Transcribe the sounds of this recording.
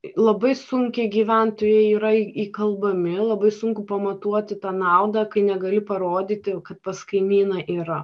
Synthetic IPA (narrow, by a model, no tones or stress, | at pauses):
lˠɐbɐɪsʊŋʲkʲɛɡʲiːʋʲænt̪oːjɛɪiːɾɐiiːkɐlˠbɐmʲɪlˠɐbɐɪsʊŋkʊpɐmɐt̪uɔt̪ʲɪt̪ɑːnɑˑʊd̪ɐkɐɪnʲɛɡɐlʲɪpɐɾoːd̪ʲiːt̪ʲɪkɐt̪̚pɐskɐɪmʲiːnɐʔiːɾɐ